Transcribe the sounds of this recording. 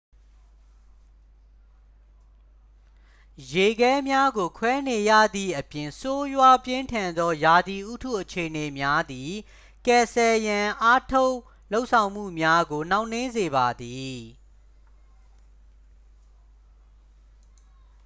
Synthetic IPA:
je˨ɡɛ˦mja˦ɡo˨kʰwɛ˦ne˨jä̰˦˨d̪ðḭ˦˨ʔəpjɪ̃˨nso˦jwa˦pjɪ̃˦ntʰã˨nd̪ɔ˦ja˨d̪i˨ʔu˦tʰṵ˦˨ʔət͡ɕʰe˨ʔəne˨mja˦d̪i˨ | kɛ˨sɛ˨jã˨ʔa˦tʰo˦ʊʔ | lo˦ʊʔsʰã˨ʊ̃m̥ṵ˦˨mja˦ɡo˨nã˦ʊ̃n̥ɪ̃˦nze˨ba˨d̪i˨

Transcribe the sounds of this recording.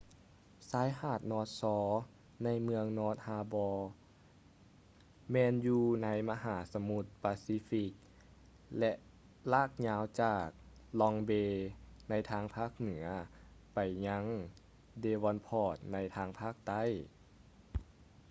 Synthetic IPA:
saː˨˦jhaː˧˩t̪̚nɔː˧˥t̪̚sɔː˨˦ | na˧˥jmɯ˧əŋnɔː˧˥t̪̚haː˧bɔː˧ | mɛː˧njuː˧na˧˥jma˧ɦaː˩˦sa˧mu˧t̪̚paː˧siː˧˦fi˧k̚ | lɛ˧ʔ | laː˧˥˩k̚ɲaː˧˥wt͡ɕaː˧˨˩k̚ | lɔ˧ŋbeː˧na˧˥jt̪ʰaː˧˥ŋpʰaː˥˩k̚nɯ˩˦ɐpa˨˩jɲa˧˥ŋ | deː˧wɔː˧npʰɔː˧˩t̪̚na˧˥jt̪ʰaː˧ŋpʰaː˥˩k̚t̪a˥˨j

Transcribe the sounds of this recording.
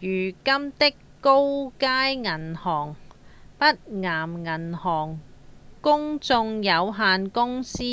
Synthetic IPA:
jyː˨˩kɐ˥mt̪ɪ˥kːo˥wkaː˥jŋɐ˨˩nhɔː˨˩ŋpɐ˥t̚ŋaː˨˩mŋɐ˨˩nhɔː˨˩ŋkʊ˥ŋt͡sʊ˧ŋjɐ˨˧wɦaː˧nkʊ˥ŋsiː˥

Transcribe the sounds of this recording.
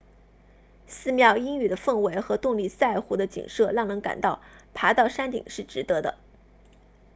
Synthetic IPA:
sɹ̩˥˧mjɑ˥˩ʊi˥ŋy˥˩d̪ə˦fə˥˩ŋwe˧˥ɪxɤ˧˥t̪ʊ˥˧ŋli˥˧sa˥˩ɪxu˧˥d̪ə˧t͡ɕḭ˨˩ŋʂɤ˥˧lɑ˥˩ŋnɤ˧˥ŋka̰˨˩nt̪ɑ˥˩ʊpʰa˧˥t̪ɑ˥˩ʊʂa˥nt̪ḭ˨˩ŋʂɻ̩˥˩ʈ͡ʂɻ̩˧˥t̪ɤ˧˥d̪ə̰˧

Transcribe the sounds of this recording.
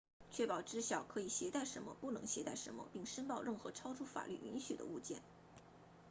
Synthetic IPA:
t͡ɕʰɥɛ˥˩pɑ˨˩ʊʈ͡ʂɻ̩˥ɕjɑ˨˩ʊkʰɤ˧˥i˨˩ɕjɛ˧˥t̪a˥˩ɪʂə˧˥nmə̰˧pu˥˩nɤ˧˥ŋɕjɛ˧˥t̪a˥˩ɪʂə˧˥nmə̰˧pi˥˩ŋʂə˥npɑ˥˧ʊɻə˥˩nxɤ˧˥ʈ͡ʂʰɑ˥ʊʈ͡ʂʰu˥fa̰˨˩ly̰˥˩ʔy̰˧˥nɕy˨˩d̪ə̰˦u˥˧t͡ɕjɛ̰˥˩n

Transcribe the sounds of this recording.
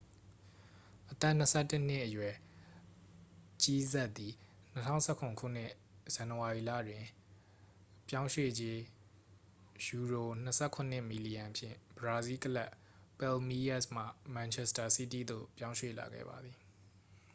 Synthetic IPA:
ʔət̪ɛ˦˨n̥əsʰɛ˦˨tɪ˦n̥ɪ˦ʔəjwɛ˨ | t͡ɕi˦zɛ˦ʔt̪ːi˨ | n̥ətʰã̰˦˨sʰɛ˦˨kʰʊ̃˨ŋkʰṵ˦˨n̥ɪ˦˨ | z̥ã˨nəwa˨i˨lä̰˦˨dwɪ̃˨ | pjã˦ʊ̃ʃwḛ˦˨d͡ʑe˦ | ju˨ɹo˨n̥əsʰɛ˦˨kʰʊ̃˨n̥ɪ˦˨mi˨li˨jã˨pʰjɪ̰̃˦˨b̥əɹa˨zi˦kəla˦ʔ | pɛ˦lmi˦jɛ˦˨sm̥ä̰˦˨mã˨nt͡ɕʰɛ˦sta˨si˦tḭ˦˨d̪o̰˦˨pjã˦ʊ̃ʃwḛ˦˨la̰˨ɡɛ̰˦˨ba̰˨d̪i˨

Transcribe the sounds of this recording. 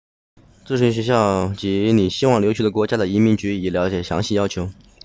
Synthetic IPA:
t͡s̩˥˩ʂi˧˥ɕ̬ɥɛ˧˥ɕ̬jɑ˥˩ʊt͡ɕi˧˥ni˨˩ɕi˥wɑ˥˩ŋljo˧˥ʊt͡ɕʰy˥˩d̪ə˦kwɔ˧˥t͡ɕja˥d̪ə˨i˧˥mi˧˥ŋt͡ɕy˧˥i˨˩ljɑ˧˥ʊt͡ɕjɛ˨˩ɕjɑ̰˧˥ŋɕi˥˩jɑ˥ʊt͡ɕʰjo˧˥ʊ

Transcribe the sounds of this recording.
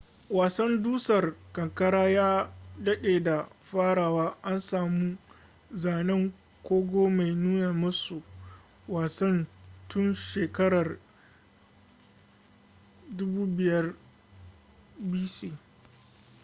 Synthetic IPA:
waː˨sɐ˦nduː˦sɐ˨rkɐ˨ŋkɐ˦ɽaː˦jaː˦dɐ˦ɗeː˨da˨ɸaː˦ɽaː˨waː˦ʔa˦nsaː˨mu˦ | zaː˨nɛ˦ŋ | kʷoː˦ɡʷoː˦ma˨jnuː˦naː˨mʊ˦su˨ | waː˨sɐ˦ntʊ˦nʃeː˨kɐ˦ɽɐ˨r | dʊ˦buː˦bɪ˨jɐ˦r | biː˦siː˦

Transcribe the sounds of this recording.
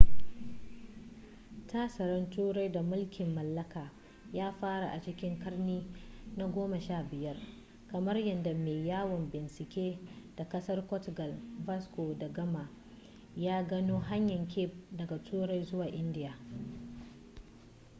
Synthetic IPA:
tʰaː˦sɐ˨ɾɐ˦ntuː˦ɽa˦jda˨mʊ˦lkʲɪ˨mːɐ˨lːɐ˦kaː˨ | jaː˦ɸaː˦ɾa̰˨ʔa˨t͡ʃɪ˦kʲɪ˦ŋkɐ˦rniː˦na˦ɡʷoː˦mɐ˨ʃaː˦˨bɪ˨jɐ˦r | kɐ˨mɐ˦rjɐ˨nda˨meː˨jaː˦wɐ˨mbɪ˨nsɪ˨kʲeː˦d̥a˨kɐ˦sɐ˦rkʷɔ˦tɡɐ˨lva˦sko˨da˨ɡɐ˦ma˨ | jaː˦ɡɐ˦noː˦ɦa˦ɲjɐ˨ŋkʲʰe˦p̚dɐ˨ɡa˨tʰuː˦ɽa˦jzʊ˦waː˨ʔɪ˦ndɪ˦ja˨

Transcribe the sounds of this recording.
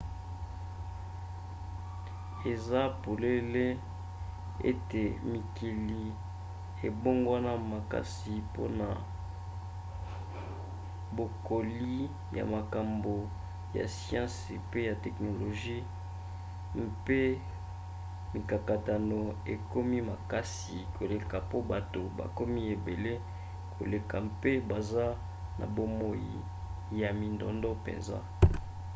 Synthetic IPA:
e˨za˦po˨le˦le˦ | ḛ˦te˨mi˨ki˨li˨ | e˨bo˦ŋɡwa˦na˦ma˨ka̰˦si˨po̰˦na˨ | bo˨ko˨li˦ | ja̰˨ma˨ka˨mbo˨ | ja̰˨sjã˦spe˦ja˨tɛ˨kno˨lo˨ʒi˦ | mpe˦ | mi˨ka˨ka˨ta˨no˨e˨ko˦mi˦ma˨ka˦s | i˨kʰo˨le˨ka˨po˦ba˨to˨ba̰˨ko˦mi˦e˨be˨le˦ | kʰo̰˨le˨ka˨mpe˦ba˨za˦ | na̰˨bo˦mo˦jḭ˨ | ja˨mi˨ndɔ̰˨ndɔ˦pḛ˨nza̰˦

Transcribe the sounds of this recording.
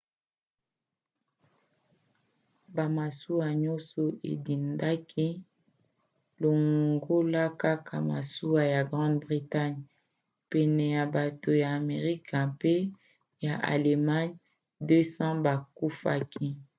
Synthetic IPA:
ba˨ma˨su˦a˨ɲɔ˦so˨ʔḛ˨di˨nda˦kʰi˦ | lo˨ŋɡo˦la˦ka˦kʰa˨ma̰˨su˦wa˨ja˨ɡʁɑ̃˦dbʁi˨ta˦ɲ | pɛ˨nɛ˨ja˨ba˨to˨jaː˨me˨ʁi˦kã˨pe˦ | ja˨ʔa̰˨le˨ma˦ɲ | dø˦sɑ̃˦ba˨ku˦fa̰˦kʰi˦

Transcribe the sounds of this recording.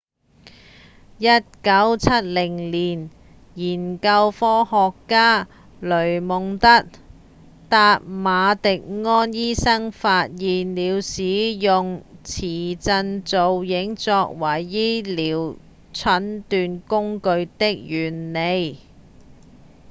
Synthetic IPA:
jɐ˥t̚kɐ˨˥wt͡sʰɐ˥t̚lɪ˨˩ŋliː˨˩n | jiː˨˩nkɐ˧wfɔː˥hɔː˨˧kːaː˥ | lɵ˨˩ɥmʊ˨ŋt̪ɐ˥t̚ | t̪aː˧t̚maː˨˧t̪ɪ˨k̚ŋɔː˥njiː˥sɐ˥ŋfaː˧t̚jiː˨nliː˨˧wsiː˨˥jʊ˨ŋt͡sʰiː˨˩t͡sɐ˧nt͡so˨wjɪ˨˥ŋt͡sɔː˧k̚wɐ˨˩jːiː˥liː˨w | t͡sʰɐ˨˥nt̪yː˧nkʊ˥ŋkɵ˧ɥt̪ɪ˥k̚jyː˨˩nːe˨˧j

